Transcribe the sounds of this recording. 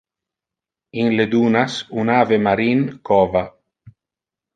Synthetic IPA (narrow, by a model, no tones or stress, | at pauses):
inled̪uːnasunaːvemaɾinkɔːva